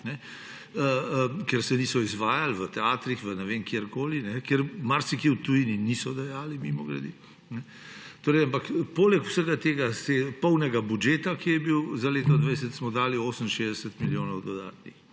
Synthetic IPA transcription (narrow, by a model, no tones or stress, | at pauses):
nɛ | əkɛɾsɛniːsɔizʋaːjalʋət̪ɛaːt̪ɾixʋənɛʋeːŋkjeɾkoːlinɛkɛɾmaɾsikiwt̪ujininiːsɔd̪ɛjaːlimimɔɡɾɐ̰d̪i | nɛ | t̪oːɾɛjampakpoːlɛku̥səɡat̪eːɡasɛpɔwnɛɡabud͡ʒeːt̪akijɛbiwzaleːt̪ɔd̪ʋɛjsət̪smɔd̪aːlioːsəmʃeːzd̪ɛsət̪miljoːnɔwd̪ɔd̪a̰ːt̪nix